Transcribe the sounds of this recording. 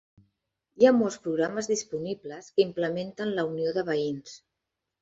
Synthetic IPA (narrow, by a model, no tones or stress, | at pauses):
iamolˠspɾuɣɾaməzðispunibləskimpləment̪ənləunioðəβəins